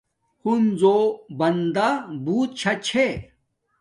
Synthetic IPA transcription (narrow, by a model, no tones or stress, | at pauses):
hunzobɐnd̪abuːt̪̚t͡ɕʰɐt͡ɕʰe